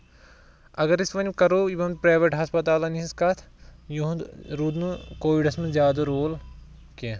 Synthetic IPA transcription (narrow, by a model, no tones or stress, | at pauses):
ɐɡɐɾisʋɐnʲkɐɾoːiʋɐmpɾaːʋeʈɦɐspɐt̪aːlɐniĩskɐt̪ʰjuɦũɾuːd̪nukoːʋiɖɐsmɐ̃zjaːd̪ɐɾoːl | ke